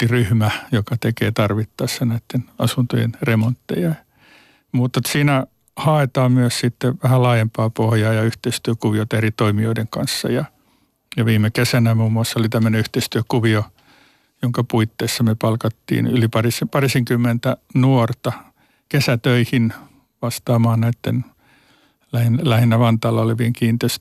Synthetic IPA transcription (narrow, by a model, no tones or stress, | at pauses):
iryhmæjokɑt̪ekḛːt̪ɑrʋit̪ːɑisːɑnæit̪ːenɑ̰sunt̪o̰jḛnremont̪ːḛjɑ | muːt̪ːɑsiːnæ | hɑet̪ɑːmmyøssit̪ːeʋæhælɑːjempɑːpohjɑːjɑyht̪eist̪yøkuʋiot̪ɑerit̪oimioideŋkɑ̰nsːɑ̰jɑ | jɑʋiːmˑekesænæmuːmːuɑsːolit̪æmːøneyht̪eist̪yøkuʋio | joŋkɑpuit̪ːeisːɑmyøpɑlkɑt̪ːḭːnylipɑrisepɑrisiŋkymːent̪ænuort̪ɑ | kesæt̪øihin | ʋɑst̪ɑːmɑːnnæit̪ːen | læhinlæhinːæʋɑnt̪ɑːlːɑoleʋieŋkiːnt̪eis